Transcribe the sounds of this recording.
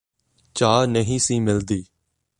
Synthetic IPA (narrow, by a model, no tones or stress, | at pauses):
t͡ʃaːnəɦĩːsĩːmɪld̪iː